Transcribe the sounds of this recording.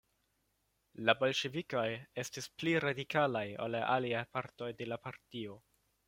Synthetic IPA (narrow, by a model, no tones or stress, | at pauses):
labo̞lʃe̞viko̞je̞stispliɾadikalajo̰laʔaliajpaɾto̞jde̞lapaɾtio̞